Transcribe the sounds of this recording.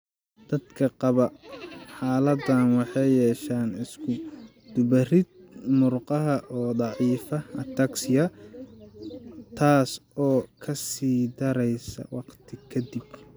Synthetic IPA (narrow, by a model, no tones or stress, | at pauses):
d̪̥ɐd̪kʰɐqɑβɐħaːlɐd̪ɐnwɑħɑjɛːʃaːnɪskʰʊ | d̪̥ʊbɐrɪd̪̚mʊrqɑɦɐʔɔːd̪ˤɑʕiːfɐɐt̪ʰɐksɪjɐ | t̪ʰaːsɔːkʰɐsiːd̪ɐɾɛjsɐ̰wɑqt̪ʰɪkʰɐd̪ɪb